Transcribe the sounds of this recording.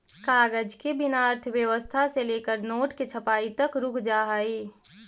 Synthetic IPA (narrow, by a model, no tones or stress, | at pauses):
kaːɡəd͡ʒkibɪnaːɾt̪ʰʋjəʋəst̪ʰaseleːkəɾnoːʈkit͡ʃʰəpaːit̪əkɾʊkʰd͡ʒaːɦaːiː